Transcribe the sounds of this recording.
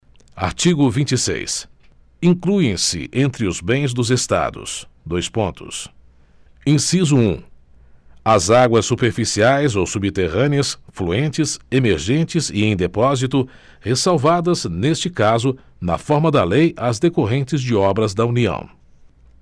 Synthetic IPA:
a̰ɾt͡ʃiɡʊvĩnt͡ʃisḛjs | ĩkluẽj̃sɪ̰ʔẽnt̪ɾɪʊzbẽj̃zd̪ʊzest̪a̰d̪ʊ̰sd̪ojspõnt̪ʊ̰s | ĩsizʊũ | ɐzaɡwɐsːupeɾfisiajzowsubit̪eʁɐ̃niɐsfluẽnt͡ʃɪsemeɾʒẽnt͡ʃɪziẽj̃d̪epɔzit̪ʊ | hesawvad̪ɐznest͡ʃɪkazʊ | nɐ̰fɔɾmɐd̪ɐlejʔazd̪ekoɦẽnt͡ʃɪzd͡ʒɪɔbɾɐzd̪ɐuniɐ̰̃w̃

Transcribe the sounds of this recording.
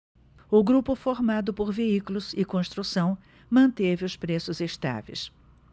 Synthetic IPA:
ʊɡɾupʊfoɾmad̪ʊpoɾveiklʊzɪkõst̪ɾusɐ̃w̃ | mɐ̃nt̪evɪʊspɾesʊzest̪a̰vḛjs

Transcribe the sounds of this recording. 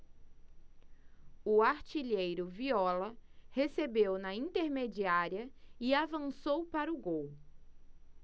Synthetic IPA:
ʊaɾt͡ʃiʎejɾʊviɔlɐhesebewnɐĩnt̪eɾmed͡ʒiaɾiɐɪavɐ̃sowpaɾʊɡow

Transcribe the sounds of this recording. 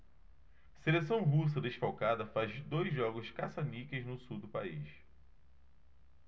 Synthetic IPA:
seles̬ɐ̃w̃ɦus̬ɐd̪eʃfawkad̪ɐfazd̪ojzʒɔɡʊʃkasanikeznʊsud̪ʊpaḭʃ

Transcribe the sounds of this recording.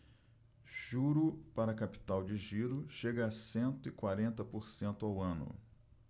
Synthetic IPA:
ʒ̥uɾʊpaɾɐkapi̥t̪awd͡ʒɪʒiɾʊʃeɡɐːsẽnt̪ʊɪkwaɾẽnt̪ɐpoɾsẽnt̪ʊawɐ̃nʊ̰

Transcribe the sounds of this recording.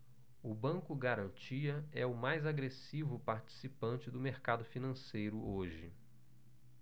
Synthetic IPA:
ʊbɐ̃ŋkʊɡaɾɐ̃nt͡ʃiɐɛʊmajzaɡɾesivʊpaɾt͡ʃi̥sipɐ̃t͡ʃɪd̪ʊmeɾkad̪ʊfinɐ̃sejɾʊʔoʒɪ̰

